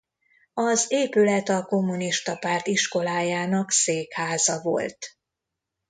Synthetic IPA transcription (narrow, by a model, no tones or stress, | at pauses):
ɒzeːpylɛt̪ɒko̞mːuniʃt̪ɒpaːrt̪iʃko̞laːjaːnɒkseːkhaːzɒvo̞̰lt̪